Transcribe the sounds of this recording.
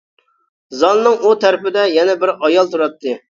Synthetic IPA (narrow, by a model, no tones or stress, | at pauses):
zɑnnɨŋut̪ʰæɾpɪd̪ɛjɛnɛbɪɾɑjɑlˠt̪ʰuɾɑt̪ʰːɨ